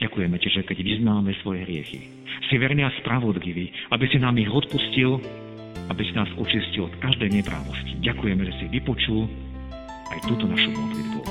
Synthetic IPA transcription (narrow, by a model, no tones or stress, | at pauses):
ɟakujɛmɛcɛʒɛkɛɟʋiznaːmɛsʋɔjɛɦɾɪɛ̰xḭ | siʋɛɾniaspɾaʋɔd̪ʎiʋiːabisinaːmiɣɔt̪puscil | abisinaːzɔt͡ʃiscilɔt̪kaʒd̪ɛɲɛpɾʔa̰ːʋɔsciɟakujɛmɛʒɛsiʋipɔt͡ʃul | ajt̪uːt̪ɔnaʃupɔt̪lid̪bṵ